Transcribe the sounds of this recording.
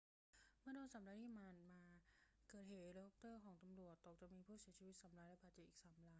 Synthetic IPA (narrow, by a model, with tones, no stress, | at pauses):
mɯ˥˩ədoː˧nsaː˨˩˦mla˧˥iː˧˥˩maː˧˩nmaː˧kɤː˨˩t̪̚heː˩˦tɾe˧˦˥ʔo˧˥p̚t̪ɤː˥˩kʰɔː˩˦ŋt̪a˧mɾu˨˩ət̪ːo˨˩k̚t͡ɕa˨˩ʔmiː˧pʰuː˥˩si˨˩˦t͡ɕʰiː˧wi˦˥t̪̚sa˩˦mlaː˧˥lpʰaː˨˩t̪t͡ɕi˨˩ʔiː˨˩saː˩˦mlaː˧˥